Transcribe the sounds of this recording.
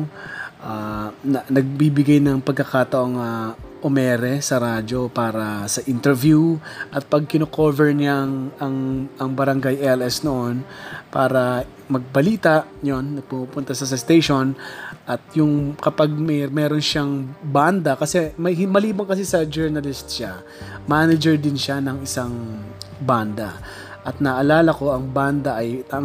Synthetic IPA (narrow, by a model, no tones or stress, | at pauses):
ʔaːnɐnɐɡ̚bibɪɡajnɐŋpɐɡ̚kːɐkaːt̪ɐʔo̞ŋɐʔomɛːɾɛsɐɾaːd͡ʒo̞paːɾɐsɐʔɪnt̪ɛɹvjuʔɐt̪̚pɐɡ̚kɪnokoːvɛɹnaŋɐŋɐŋbɐɾɐŋɡajɛlɛsnoʔo̞npa̰ːɾɐ | mɐɡ̚bɐliːt̪ɐʔjonːɐɡ̚pumupʊnt̪ɐsɐsɐst̪ejʃo̞nʔɐt̪̚jʊŋkɐpaɡ̚mɛmɛːɾonʃaŋband̪ɐkɐsɛmɐmɐliːbɐŋkɐs̬isɐd͡ʒɛɹnɐlɪst̪ʃa | maːnɛd͡ʒɛɹd̪ɪnʃanɐŋɪsaŋband̪ɐ̰ | ʔɐt̪̚nɐʔɐlaːlɐko̞ɐŋband̪ɐʔɐjt̪